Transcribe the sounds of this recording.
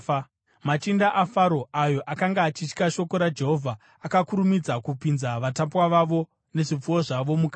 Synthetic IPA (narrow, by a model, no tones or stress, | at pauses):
mat͡ʃindaʔafaɾo̞ajo̞ʔakaŋɡaːt͡ʃit͡ʃkaʃo̞ko̞ɾad͡ʒe̞ɦo̞vʱaː | kakuɾumid͡zakupinzaʋatapwaʋaʋo̞ | ne̞ʐip͡fuwoʐaʋo̞mukaː